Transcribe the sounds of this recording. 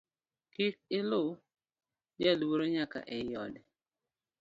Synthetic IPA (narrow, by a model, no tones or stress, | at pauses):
kik̚ɪlʊ | d͡ʒɛlwoɾoɲaka̰ʔɛjɔdɛ